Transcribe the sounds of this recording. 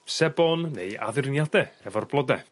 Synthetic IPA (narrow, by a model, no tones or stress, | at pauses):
sɛbɔnːḛja̰ðɪrnjadɛhɛvɔrblˠɔdɛ